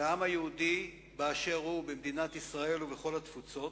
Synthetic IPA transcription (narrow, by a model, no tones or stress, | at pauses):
amhajehud̪i | baaʃe̞ʁubemd̪inat̪isʁae̞luveχo̞lat̪fut͡so̞t